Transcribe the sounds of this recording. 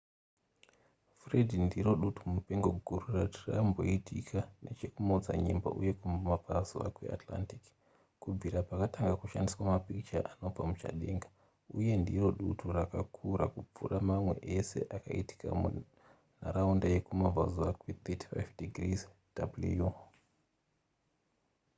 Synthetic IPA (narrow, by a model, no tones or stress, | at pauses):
fredʱindiɾo̞ɗutumupe̞ŋɡo̞ɡʱururatira̰mbo̞̰itʰikʰane̞t͡ʃe̞kumoud͡za̰ɲḛmba̰ʔuje̞kummavʱazua̰kwḛa̰tla̰ntik | kub͡vʱiɾapakataŋɡakuʃandiswamapikt͡ʃaʔano̞b͡vamut͡ʃa̰ɗeːŋɡḁ | uje̞ndiro̞ɗutʰurakakʰuɾakub͡vṵramamwe̞̰ʔese̞̰ʔakaiti̥ka̰mu | naɾaundaje̞kumava̰zuakwet̪eti̥fajvdiɡriz | d̥abluju